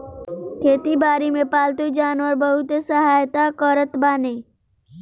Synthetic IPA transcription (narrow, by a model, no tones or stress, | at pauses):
kʰeːt̪ibaːɾimẽpaːlt̪ud͡ʒaːnʋəɾbəɦʊt̪səɦaːjt̪akəɾət̪baːneː